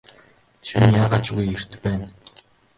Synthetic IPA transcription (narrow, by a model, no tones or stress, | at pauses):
t͡ɕʰinjaːʁaːt͡ɕɣujer̥t̪ɘpːæːn